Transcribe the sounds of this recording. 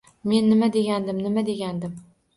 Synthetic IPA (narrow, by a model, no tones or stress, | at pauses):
me̞nːɪmad̪e̞ɡʲand̪ɪmnɪmad̪eɡʲand̪ɪm